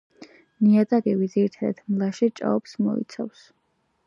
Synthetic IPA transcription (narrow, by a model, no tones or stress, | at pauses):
niad̪aɡɛviziɾit̪ʰad̪a̰d̪mlˠaʃit͡ʃʼa̰ɔpsmɔ̰ḭt̪sʰafs